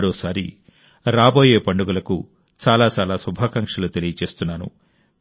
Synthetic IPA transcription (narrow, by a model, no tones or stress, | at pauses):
ɽɔːsaːɾi | ɾaːbo̞ːje̞ːpɐɳɖuɡulɐku | t͡ʃaːlaːt͡ʃaːlaːsubʱaːkɐŋkʂɐlut̪e̞lijɐt͡ʃe̞ːst̪unːaːnṵ